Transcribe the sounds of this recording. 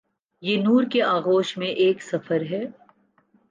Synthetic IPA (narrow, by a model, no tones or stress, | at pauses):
jeːnuːɾkeaːɣoːʃmẽʔeːksɐfəɾɦɛː